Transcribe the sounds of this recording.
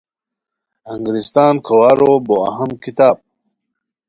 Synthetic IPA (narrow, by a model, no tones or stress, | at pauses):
aŋɡɾist̪ɑːnkʰawaɾoboa̰ɦamkit̪aːb̚